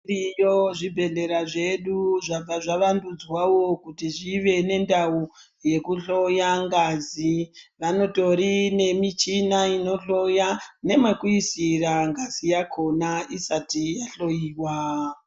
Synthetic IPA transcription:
ijoʐibʱe̞ɮe̞ɾaʐe̞ɗuʐab͡vaʐaʋandud͡zwawokutiʐiʋe̞ne̞ndau | je̞kuɬo̞jaŋɡaziʋano̞to̞ɾine̞mit͡ʃinaino̞ɬo̞jane̞makwisiraŋɡazijakʰo̞naisatijaɬo̞jiːwa

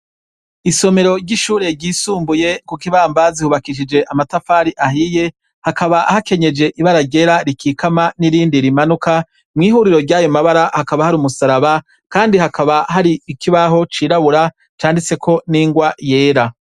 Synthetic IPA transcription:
iso̞me̞ɾo̞ɾɟiʃuːɾe̞ɾɟiːsuːmbuje̞kukiβaːmbazihuβakiʃ̬id͡ʒe̞ʔamatafaːɾiʔaɦije̞ | hakaβaʔahake̞ɲe̞d͡ʒe̞ʔiβaɾaɾɟe̞ːɾaɾikʰiːkamaniɾiːndiɾimanuka | mŋiːɦuːɾiɾo̞ɾɟaːjo̞maβaɾahakaβahaɾumusaɾaβa | kaːndihakaβaɦaɾiːkʰiβaɦo̞t͡ʃiːɾaβuɾa | t͡ʃaːndit͡se̞kʰo̞niːŋɡwaje̞ːɾa

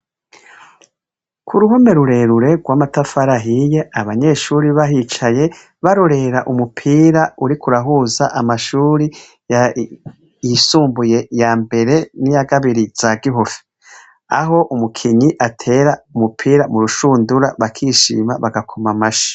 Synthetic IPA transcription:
kʰuɾuhome̞ɾuɾe̞ɾuɾe̞ɡwaːmatafaɾaɦije̞aβaɲe̞ʃuːɾiβaɦit͡ʃaje̞ | βaɾoɾe̞ɾaʔumupʰiːɾauɾikuɾaɦuːzaʔamaʃuːɾi | ja | isuːmbuje̞jaːmbe̞ɾe̞nijaɡaβiɾiz̥aɡiɦofi̥ | aɦo̞ʔumukʰiɲiʔatʰe̞ɾaumupʰiːɾamuɾuʃuːnduɾaβakʰiːʃḭːmaβaɡakʰomamaʃḁ

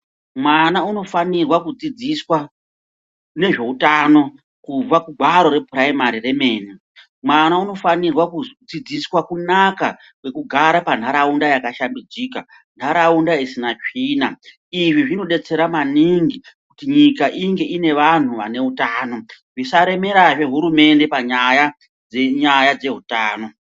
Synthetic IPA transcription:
mwanauno̞fanirwakud͡zid͡ziswa | ne̞ʐe̞utano̞ | kub͡vakuɡʱaɾo̞ɾe̞praimaɾire̞me̞ːni | mwanauno̞fanirwakud͡zid͡ziswakunaka | kwe̞kuɡʱaɾapandʱaɾaundajakaʃambid͡ziːka | ndʰʱaɾaundaisinat͡ʂiːna | iʐiʐino̞ɗe̞t͡se̞ɾamaniŋɡi | kutiɲikaʔiŋɡe̞ʔine̞ʋan̤uʋane̞utaːno̞ | ʐisaɾe̞me̞ɾaʐe̞ɦuɾume̞nde̞paɲaja | d͡zeɲajad͡ze̞ɦutaːno̞

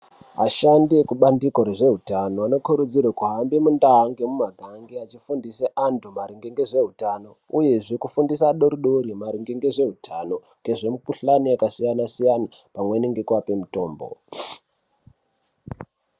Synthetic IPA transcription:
aʃandiekuɓandiko̞ɾe̞ʐe̞ɦutanoano̞kuɾud͡zirwekuɦambimundaɦaŋɡemumaɡʱaŋɡiat͡ʃifundiseʔantʰumaɾiŋɡeŋɡe̞ʐe̞ɦutano̞uje̞ʐikufundisaɗo̞ɾuɗoɾimaɾiŋɡeŋɡe̞ʐe̞ɦutʰano̞ | ŋɡe̞ʐe̞mupuɬaniakasijanasijana | pamweniŋɡekwape̞muto̞̰ːmbo̰

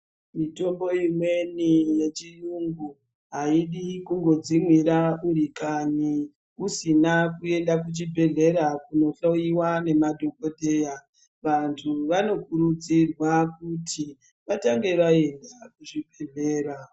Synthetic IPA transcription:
mito̞mbo̞imwe̞nije̞t͡ʃijuŋɡu | ɦaiɗikuŋɡo̞d͡zimwiɾauɾikani | usinakue̞ndakut͡ʃibʱe̞ɮe̞ɾakuno̞ɬojiwane̞madʱo̞ko̞te̞ːja | ʋantʰuʋano̞kuɾud͡zirwakutʰi | ʋataŋɡe̞ʋae̞ndakuʐibʱe̞ɮe̞ːɾa

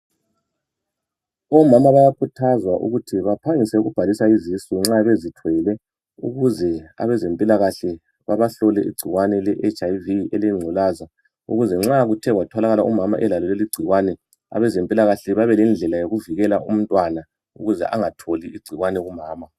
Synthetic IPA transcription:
ɔmamaβajakʰutʰazwaʔṵɣutʰiβapʰaŋisɛuɣub̥ʱalisaizisiŋ͡ǁaβezitʰwɛlɛ | ṵɣuzɛa̰βɛzempʼilaɣaɬɛ | βaβaɬɔlɛʔḭɡ͡ǀ̥ʱiɣwanɛlɛʔet͡ʃʼajviɛlejŋ͡ǀʱɔlaza | ṵɣuzɛŋ͡ǁaɣutʰɛɣwatʰɔlaɣalaumama̰ʔɛlalɔleliɡ͡ǀʱiɣwanɛ | a̰βɛzempʼilaɣaɬɛβaβɛlɛnd͡ɮʱɛlajoɣuviɣɛlaʔum̩ntʼwana | ṵɣuzɛ̰ʔaŋatʰoliiɡ͡ǀʱiɣwanɛɣumaːma

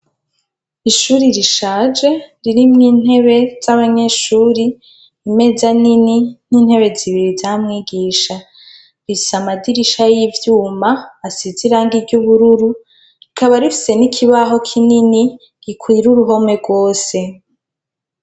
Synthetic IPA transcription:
iʃuːɾiɾiʃaːd͡ʒe̞ɾiɾimŋiːn̥he̞βe̞z̥aβaɲe̞ʃuːɾiː | me̞zaninin̥iːn̥he̞βe̞ziβiɾizamŋiːɡiːʃa | ɾisamadiɾiʃajivjuːmaːsiziɾaːŋɡiɾɟuβuɾuɾu | ɾikaβaɾifi̥se̞nikʰiβaɦo̞kʰinini | ɡ̥ikʰwiɾuɾuɦo̞me̞ɡwo̞ːse̞

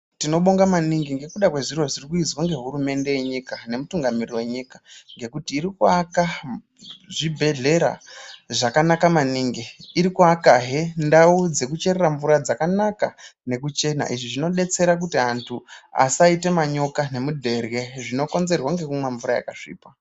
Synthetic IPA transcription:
tino̞ɓoŋɡamaniŋɡiŋɡe̞kuɗakwe̞ʐiɾo̞ʐirikuizwaŋɡe̞ɦuɾume̞nde̞je̞ɲikane̞mutuŋɡamiriwe̞ɲikḁŋɡe̞kutiːɾikuaka | ʐibʱe̞ɮe̞ɾa̰ʐakanakamaniːŋɡiiɾikuakaɦendaud͡ze̞kut͡ʃe̞ɾeraɱvuɾad͡zakanakane̞k̬ut͡ʃe̞na̰ʔiʐiʐino̞ɗe̞t͡se̞ɾak̬utiantʰua̰saite̞maɲo̞kane̞mudʱe̞rɣe̞ʐino̞ko̞nze̞rwaŋɡe̞kumwaɱvuɾaja̰kaʂḭːpa

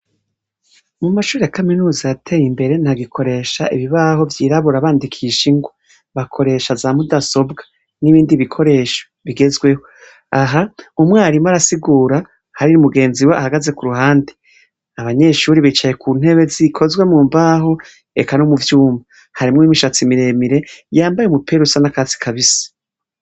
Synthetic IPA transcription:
mumaʃuːejakaminuːzaatʰe̞jimbe̞ɾe̞n̥haɡikʰo̞ɾe̞ʃaʔiβiβaːho̞vjiːɾaβuɾaβaːndikʰiʃiŋɡwa | βakʰo̞ɾe̞ːʃazaːmudaso̞bɡḁ | niβiːndiβikʰo̞ɾe̞ːʃo̥βiɡe̞zɡwe̞ho̞ | aɦaumŋaːɾimaɾasiɡuːɾa | haɾinumuɡe̞ːnziweʔa̰haɡaze̞kuɾuhaːnde | aβaɲe̞ʃuɾiβit͡ʃaje̞kʰuːn̥he̞βe̞zikʰo̞zɡwe̞muːmbaːɦo̞ | e̞̰kanomuvjuːmba | haɾimŋimiʃat͡simiɾe̞miɾe̞jaːmbajemupʰe̞ɾusanakazi̥kʰaβisḁ

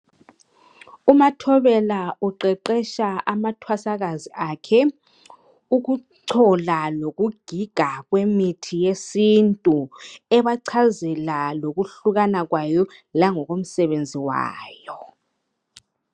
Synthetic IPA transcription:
umatʰɔβɛlauǃɛǃɛʃaamatʰwasaɣaziʔaːkʰɛ | uɣuǀʰɔlaloɣuɡ̥ʱiɡ̥ʱaɣwemitʰijesintʼuɛβaǀʰazɛlaloɣuɬuɣanaɣwajɔlaŋɔɣom̩sɛβend͡zʱiwa̰ːjɔ

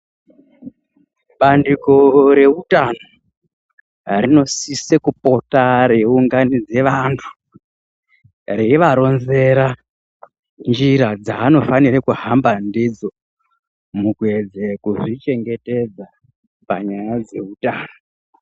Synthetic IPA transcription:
ɓandiko̞ɾe̞utano | rino̞sisekupo̞taɾe̞uŋɡanid͡ze̞ʋantʰu̥ | reiʋaɾo̞nze̞ɾa | nd͡ʒiɾad͡zaːno̞faniɾekuhambandid͡zo̞ | mukued͡zekuʐit͡ʃe̞ŋɡe̞te̞d͡za | pa̰ɲajad͡ze̞utaːno

